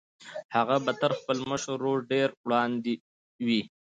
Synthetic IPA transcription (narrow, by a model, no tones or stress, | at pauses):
haɣabat̪aɾxpəlməʃəɾːoɾɖeɾwɽɑnd̪i | wi